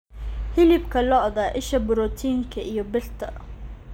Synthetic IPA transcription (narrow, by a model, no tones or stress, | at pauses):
hɪlɪbkʰɐlɔʔðaːʔɪʃɐbʊɾɔt̪ʰiːŋkʰɐʔijɔbɪrt̪ʰɐ̰